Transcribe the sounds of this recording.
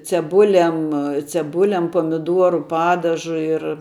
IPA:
t͡sʲɛˈbʊlʲɛm t͡sʲɛˈbʊlʲɛm pɐmʲɪˈduɔrʊ ˈpɑːdɐʒʊ ɪr

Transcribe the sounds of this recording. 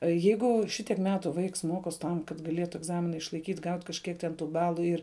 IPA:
ˈjɛɪɡʊ ʃʲɪˈtʲiɛk ˈmʲæːtʊ ˈʋɐɪks ˈmoːkoːsʲ ˈtɐm kɐt ɡɐˈlʲeːtʊ ɛɡˈzɑːmʲɪnɐ ɪʃlˠɐɪˈkʲiːtʲ ˈɡɐʊtʲ kɐʃʲˈkʲiɛk tʲɛn ˈtuː ˈbɑːlˠʊ ˈɪr

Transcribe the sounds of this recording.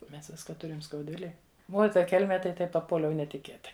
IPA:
ˈmʲɛs ˈʋʲɪskoː ˈtʊrʲɪm skɐʊdʲˈʋʲɪlʲeːj ˈuɔ ɪ ˈtɐ ˈkʲɛlʲmʲɛ tɐɪ ˈtɐɪp pɐˈpuɔlʲɛʊ nʲɛtʲɪˈkʲeːtɐɪ

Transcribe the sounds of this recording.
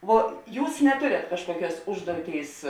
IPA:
ˈʋoː ˈjuːs nʲɛˈtoːrʲeːt ˈkɑːʃkuɔˌkʲuɔs ˈʊʒduɔˌtʲeːɪs

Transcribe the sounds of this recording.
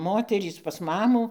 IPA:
ˈmoːtʲɛrʲiːs pɐs ˈmɑːmuː

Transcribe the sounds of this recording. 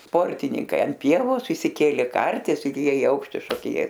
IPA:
ˈspoːrʲtʲɪnʲɪŋkɐɪ ɐnʲˈpʲiɛʋoːs ɪʃʲsʲɪˈkʲeːlʲeː ˈkɐrʲtʲɪs ɪr ˈjiɛ ɪ ˈɐʊkʃʲtʲɪ ʃoːkʲɪˈnʲeːs

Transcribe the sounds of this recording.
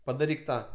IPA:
pɐdɐˈrʲiːk ˈtɑː

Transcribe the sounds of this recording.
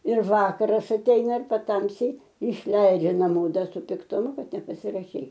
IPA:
ɪr ˈʋɑːkɐrɐs ɐtʲˈɛɪnɐ ɪr pɐˈtɐmʲsʲiː ɪʃʲˈlʲɛɪd͡ʒʲɛ nɐˈmoː ˈdɐ sʊ pʲɪktʊˈmʊ ˈkɐt nʲɛpɐsʲɪrɐˈʃʲɛɪ

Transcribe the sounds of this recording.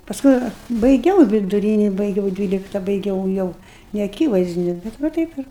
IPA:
pɐsˈkʊɪ bɐɪˈɡʲɛʊ ʋʲɪdʊˈrʲiːnʲɪ bɐɪˈɡʲɛʊ ˈdʲʋʲiːlʲɪktɐ bɐɪˈɡʲɛʊ jɛʊ nʲɛɐˈkʲiːʋɐɪzʲdʲɪnʲʊ bʲɛt ʋɐ ˈtɐɪp ɪr

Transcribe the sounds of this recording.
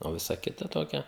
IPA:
oː ˈʋʲɪsɐ ˈkʲɪtɐ ˈtoːkʲɛ

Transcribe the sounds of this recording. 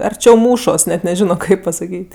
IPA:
ɐrʲˈt͡ʃʲɛʊ ˈmuːʃoːs nʲɛt nʲɛˈʒʲɪnoː ˈkɐɪp pɐsɐˈkʲiːtʲ

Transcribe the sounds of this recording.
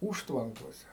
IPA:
ˈuːʃtʋɐŋkoːsʲɛ

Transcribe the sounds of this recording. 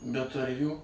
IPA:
bʲɛt ɐr ˈjuː

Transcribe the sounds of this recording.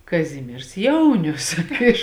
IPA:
kɐˈzʲɪmʲiɛrs ˈjɛʊnʲʊs ˈɪʃ

